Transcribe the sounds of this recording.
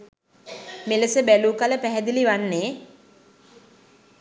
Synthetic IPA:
meləsəbæluːkaləpæɦɛd̪iliʋanːeː

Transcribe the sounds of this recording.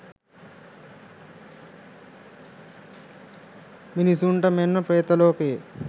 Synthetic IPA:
minisuɳʈɐmenːɐpɾeːt̪ɐloːkeː

